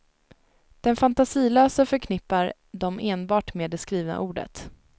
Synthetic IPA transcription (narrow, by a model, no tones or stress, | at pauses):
d̪̥ɛnfant̪asiːløːsəfœɾkʰnɪpːaɾ | d̪ɔmeːnbɑːʈmeːɖɛskɾiːvna̰ʔuːɖə̰t̪